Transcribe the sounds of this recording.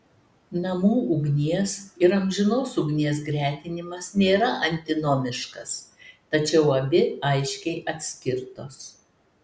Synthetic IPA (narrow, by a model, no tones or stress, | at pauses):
nɐmuːʊɡnʲiɛsɪɾɐmʲʒʲɪnoːsʊɡnʲiɛs̬ɡɾʲæːt̪ʲɪnʲɪmɐsnʲeːɾɐʔɐnʲt̪ʲɪnoːmʲɪʃkɐst̪ɐt͡ʃʲɛʊɐbʲɪɐɪʃʲkʲɛɪʔɐt̪ʲsʲkʲɪɾt̪oːs